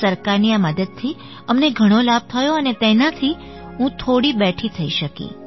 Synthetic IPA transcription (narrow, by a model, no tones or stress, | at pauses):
səɾkaɾniaməd̪əd̪̚t̪ʰi | əmneɡʱəɽ̃olab̚t̪ʰəjoənet̪enat̪ʰi | ɦũt̪ʰoɽibɛʈʰit̪ʰəiʃəkḭ